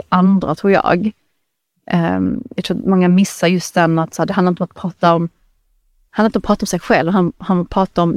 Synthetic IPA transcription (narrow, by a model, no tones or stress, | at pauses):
ʔand̪ɾa̰t̪ʰɾuːɾjɑ̰ːɡ | ʔjaɡ̚t̪ʰɾuːmɔŋːamɪsːaɾjɵst̪̚d̪ɛnːat̪sæːdɛhanaɾɪnɔmat̪pʰɾɑːt̪aɔm | d̪hanːɾɪɔmpʰɾɑːt̪ɔmsɛɡɧɛlvɦanhanapʰɾɑːt̪aɔm